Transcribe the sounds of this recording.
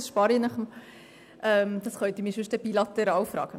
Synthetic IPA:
sʃpɑːɾinɑχəm | ʔɛmd̥̪ɑsχœt̪imiʃʉʃtd̥ɛbilɑt̪ɛɾɑːwfɾɑ̰ːɡ̥ə

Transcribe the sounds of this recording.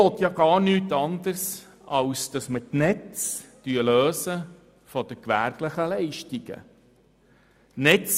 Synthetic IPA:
oːt̪jɑːɡ̥ɑːɾnyːtɑndəs | ɑwsd̥ɑsmətnɛt͡sd̥yəløːsə | fɔd̥əkʋæ̰ɾɡləχəlɛɪʃtiɡ̥ə̰ | nɛt͡s

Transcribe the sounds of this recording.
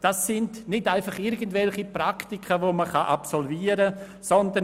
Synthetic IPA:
d̥asːɪndnɪtaɪfɑχɪɾɡən̩tvɛlχipraktikʰəvoməχɑʔapsɔlviːəɾə | sɔndə

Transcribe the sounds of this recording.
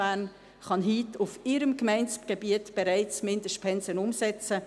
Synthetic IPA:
æn | χɑnɦiːtufɪɾəmkmæɪnt͡sɡ̥ebiətb̥eɾæɪt͡smɪndəʃt̚pʰɛnsənʊmsɛt͡sə

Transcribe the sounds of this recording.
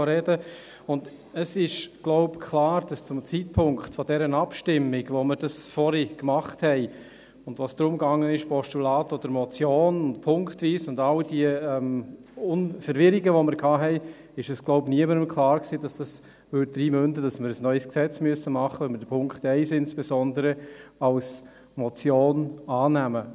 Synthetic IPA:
ɾɛdə | ʊnd | əsɪʃɡ̥lɔʊpkʰlaːɾd̥ɑst͡sʊmt͡sit̚pʰʊŋkχtfɔdɛɾənapʃtɪmːɪɡvoməɾd̥ɑsfɔɾikmɑχthɛɪ | ʊndʋasd̥̪ɾʊmɡɑŋːənɪʃpʰɔʃtulaːtod̥əɾmɔt͡sjoːnʊntpʰʊŋkχtviːsʊndald̥iəɛm | ʊnfəɾʋɪɾiɡəʋomɪɾkʰɑːɦɛɪ | ɪʃəsɡ̥loʊbniəməɾəmkʰlɑːɾksiːd̥ɑsd̥ɑs | ʋʏd̚dɾiːmøndədɑsməɾəsnœʏsksɛt͡smyəsəmɑχːəʋɛnmədəpʰʊŋkχthɛɪsɪnsb̥esɔndəɾəɑls | mɔt͡sjoːnɑːnæmə

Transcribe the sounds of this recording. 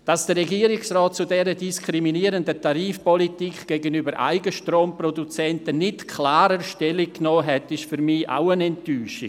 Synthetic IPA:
d̥ɑsd̥əɾɛɡiːəɾɪksrɔːt̚t͡sudɛɾədiskɾiminiːəɾəndətaɾiːfpɔlitikɡ̥ɛɡənybəɾʔa̰ɪɡəʃtroːmprodut͡sɛntənɪtkʰlaːɾəʃtɛlikkːnɔːɦɛtɪʃfyɾmia̰ʊənɛntyːʃɪ

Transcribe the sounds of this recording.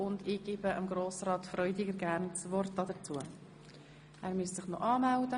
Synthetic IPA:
ʊndiːɡ̥iːbəʔəmɡɾoːsrɑːt̪frœʏdɪɡəɾɡæːɾnt͡svɔrtːɑdət͡suə | ʔæːɾmyəssɪχnɔʔɑːmældə

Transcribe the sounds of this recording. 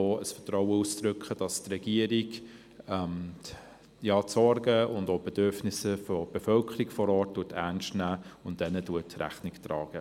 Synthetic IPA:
oːəsfətɾɔwəustɾʏkχəd̥ɑstrɛɡ̥iəɾɪɡ | ɛm | jɑːsɔɾɡəʊndoːb̥ed̥øɾfnɪsəfɔb̥efœlkʰəɾiɡfɔɾɔːt̚d̥uːətʰæ̰nʃtnæːʊnt̚d̥ɛnəduətɾæ̰χnɪktɾɑːɡ̥ə

